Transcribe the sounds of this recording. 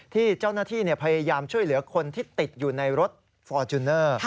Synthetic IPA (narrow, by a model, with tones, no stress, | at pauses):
t̪ʰiː˥˩t͡ɕaː˥˩wnaː˥˩t̪ʰiː˥˩ni˥˩ɐpʰa˧jaː˧jaː˧mt͡ɕʰu˥˩əjlɯ˩˦ɐkʰo˧nt̪ʰiː˥˩t̪i˨˩t̪̚juː˨˩na˧jɾo˦˥t̪̚ | fɔː˧t͡ɕu˧nːɤː˥˩